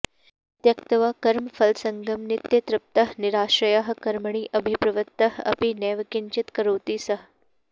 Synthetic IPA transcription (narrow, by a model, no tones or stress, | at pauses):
t̪jɐkt̪ɐʋakɐɾmfɐlsɐŋɡɐmnɪt̪jɐt̪ɾɪp̚t̪ɐɦnɪɾaːʃɾɐjaɦkɐɾməɳ̃iːʔɐbʱipɾɐʋət̪ːɐɦɐ̰pinɛːʋɐkiɲt͡ʃɪt̪kɐɾoːt̪iːsɐɦ